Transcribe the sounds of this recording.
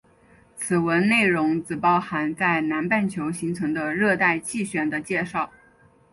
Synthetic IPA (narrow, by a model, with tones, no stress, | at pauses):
t͡sʰɹ̩˨˩wə˧˥nne˥˩ɪɻʊ˧˥ŋt͡sɹ̩˨˩pɑ˥˩ʊxa˧˥nt͡sa˥˩ɪna˧˥npa˥˩nt͡ɕʰjo˧˥ʊɕi˧˥ŋt͡sʰɤ˧˥ŋd̪ə˧ɻɤ˥˧t̪a˥˧ɪt͡ɕʰi˥˩ɕɥɛ˨˩nd̪ə˦t͡ɕjɛ˥˧ʂɑ˥˩ʊ